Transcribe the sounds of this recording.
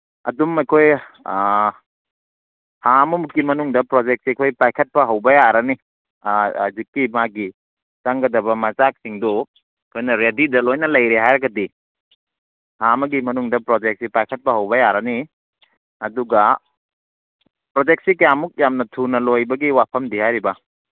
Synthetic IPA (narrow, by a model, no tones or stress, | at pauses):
ɐ̰dumɐjkʰoj | hamumuːimɐnuŋdɐpɾod͡ʒek̚sikʰojpajkʰɐt̚pɐɦɐwbɐjaɾɐni | azikːimaɡi | saŋɡɐdɐbɐmɐt͡ʃak̚siŋdo | kʰojnɐɾedidɐlojnɐlɐjɾeɦajɾɐɡɐdi | hamɐɡimɐnuŋdɐpɾod͡ʒek̚sipajkʰɐt̚pɐɦɐwbɐjaɾɐni | ɐduɡɐ | pɾod͡ʒek̚sikjamuk̚jamnɐtʰunɐlojbɐɡiwapʰɐmdihajɾibɐ